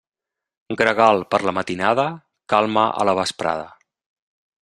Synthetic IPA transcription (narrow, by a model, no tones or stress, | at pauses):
ɡɾəɣalˠpəɾləmət̪inaðə | kalˠməʔə̰ləβəspɾa̰ðə